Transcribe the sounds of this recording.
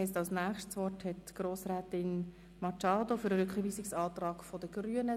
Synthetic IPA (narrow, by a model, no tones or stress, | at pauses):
ɛstɑlsnæːχʃtsʋɔrthɛtɡ̥ɾoːsɾæːtɪn | mɑt͡ʃɑːd̪ofʏɾəɾɵkχəviːsɪksɑːtrɑːɡfɔdəɡ̥ryənə